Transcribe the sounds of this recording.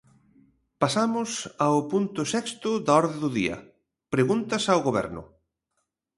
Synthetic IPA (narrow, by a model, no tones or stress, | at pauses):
pasamʊsaʊpunt̪ʊsɛkst̪ʊðaɔɾðeðʊðiɐ̰ | pɾeɣunt̪ɐsawɣoβɛ̰ɾnʊ̰